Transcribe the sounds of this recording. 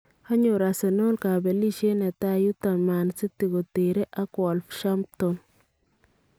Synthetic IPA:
a˦ɲo˨ɾa˨se˨no˦lka˨bɛ˨li˦ʃe˦nɛ˨ta˦ju˦ta˨ma˨nsi˦tːi˨ɡo˨te˨ɾe˦ʔa˦kɔ˨lfʃa˦mtɔ˨n

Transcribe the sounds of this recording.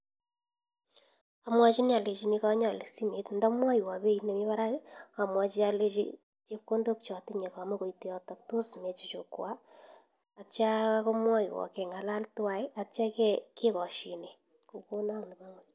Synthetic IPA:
a˨mwa˦t͡ʃi˦n˦a˨le˨t͡ʃi˨˦ni˦kɔ˦ɲa˦˨le˨si˦me˦tndɔ˦mwa˦jwa˨be˦i˨ne˨mi˦βa˦ɾa˦a˨mwa˨t͡ʃi˦a˦le˦t͡ʃḭ˦ | t͡ʃe˦p̚ko˦ndo˦k̚t͡ʃɔ˨tɪ˦ɲe˨ka˨mo˦ko˨ite˨ɔ˦tɔ˨k̚to˦sme˨t͡ʃu˨t͡ʃo˨kwa˦ | a˨t͡ʃa˦a˦ko˦mwa˦jwɔ̰˨kɛ˨ŋa˨la˦ltwa˨ja˨kt͡ʃa˦kɛ˦ke˦kɔ˨ʃi˨ne˨ | ko˨ko˦na˦ŋni˨ba˦ŋo˨

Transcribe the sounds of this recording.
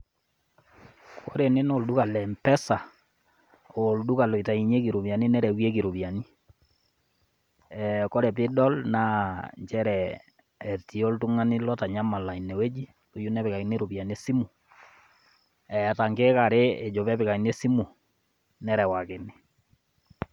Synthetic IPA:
kʰo˦ɾe˨ne˦no˨ldu˦ka˨lɛ˨mpɛ˦sa˨ | o˨ldu˦ka˨lo˨i˨ta˨i˨ɲe˦k̬i˨ɾu˨pja˨ni˦nɛ˦ɾɛ˨wje˦k̬i˨ɾu˨pja˨ni˦ | ɛko˦ɾɛ˨p̬ɪ˦dɔ˦lna˦ɲt͡ʃɛ˦ɾɛː˨ | ti˨o˦ltu˦ŋa˦ni˦lɔ˦ta˨ɲa˦ma˨la˨i˨nɛ˨we˦d͡ʒi˦ | to˨˦ju˦nɛ˦pɪ˨ka˨i˨˦ne˦ɾo˨pja˨n˦e˦si˦mu˨ | ɛ˨ta˨ŋɡe˦ka˨ɾe˦e˨d͡ʒo˨pɛ˦pɪ˨ka˨i˨ne˦si˦mu˨ | nɛ˦ɾɛ˨wa˨kɪ˨nɪ˦

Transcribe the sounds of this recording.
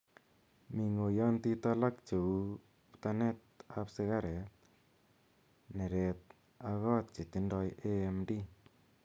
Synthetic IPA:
mi˨ŋo˨jɔnt̪i˦t̪a˦la˦kt͡ʃe˨u | pt̪ane˦t̪̚apsɪɣa˦ɾe˨t̪̚ | ne˨ɾet̪̚ | aɣɔ˦t̪̚t͡ʃi˨t̪indɔjeemdi˦

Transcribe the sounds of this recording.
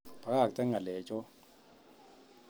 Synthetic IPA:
pa˨ka˦˨k̚tʼɛ˦ŋa˨lɛː˨t͡ʃʼɔ˦

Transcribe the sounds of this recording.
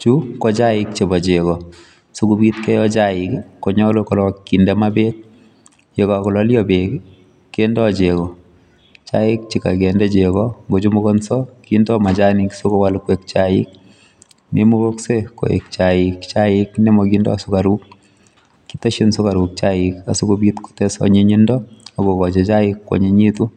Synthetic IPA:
t͡ʃu˦kɔ˦t͡ʃa˦ɪ˦kt͡ʃe˨bɔ˨t͡ʃekɔ˨ | so˦ku˧bi˦tkɛ˦jɔ˦t͡ʃaɪkkːo˨ɲɔ˦lokɔ˨lɔ˨kːindɛmabe˦k̚ | je˨kɔ˨kɔ˨lɔ˦ljɔbek | kːendɔt͡ʃekɔ˨ | t͡ʃaɪ˦k̚t͡ʃika˨ke˨ndɛ˦t͡ʃekɔŋɡo˨t͡ʃu˦mo˦kɔ˦nsɔ˦kindɔ˦ma˨t͡ʃa˦ni˨kso˦ko˦walkwekt͡ʃaɪ̰k̚ | nʔe˦mo˦kokseko̰˨ḛk̚t͡ʃaɪkt͡ʃaɪknɛ˦mɔkindɔ̰˦˨sʊ˦kaɾukː | i̥˦tɔ˦ʃinso˦ka˨ɾu˨k̚t͡ʃaɪka˨su˦ko˦bitko̥tɛsɔ̰ɲe˦ɲindɔ˦a˨ɡo˨kɔ˨d͡ʒe˨t͡ʃa˦ɪkːwɔ̰˨ɲeɲi˦tu˦

